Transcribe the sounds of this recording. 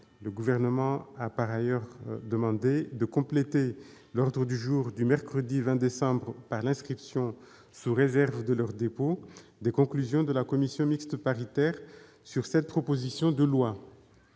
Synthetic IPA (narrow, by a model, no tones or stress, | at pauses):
ləɡuvɛʁnəmɑ̃apaʁajœʁd̪əmɑ̃d̪ed̪əkɔ̃plet̪e | lɔʁd̪ʁəd̪yʒuʁd̪ymɛʁkχəd̪ivɛ̃d̪esɑ̃bʁəpaʁlɛ̃skχipsjɔ̃ | suʁezɛʁvd̪əlœʁd̪epod̪ekɔ̃klyzjɔ̃d̪əlakɔmisjɔ̃mikst̪əpaʁit̪ɛʁ | syʁsɛt̪̚pχɔpozisjɔ̃d̪əlwa